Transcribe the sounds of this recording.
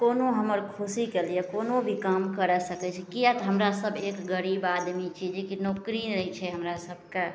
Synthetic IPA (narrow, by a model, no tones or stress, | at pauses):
konoɦəməɾkʰusikelijekonobʱikamkəɾɛsəkɛt͡ʃʰɛkiat̪ɦəmɾasəbʱekɡəɾibad̪mit͡ʃʰid͡ʒekinokɾinɾəit͡ʃʰɛɦəmɾasəbʱke